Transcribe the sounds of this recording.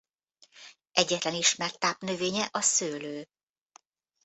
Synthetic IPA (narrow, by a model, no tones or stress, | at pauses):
ʔɛɟːɛt̪lɛniʃmɛrt̪aːpnøveːɲɛʔɒsøːløː